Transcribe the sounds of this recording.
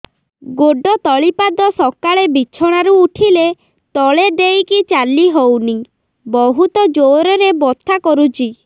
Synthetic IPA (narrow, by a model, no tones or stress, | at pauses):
ɡoɖɔt̪ɔɭipad̪ɔsɔkaɭebit͡ʃʰɔɽ̃aɾuːʈʰile | t̪ɔɭed̪ejkit͡ʃalːiɦowni | bɔɦut̪ɔd͡ʒoɾɔɾebɔt̪ʰːakɔɾut͡ʃʰi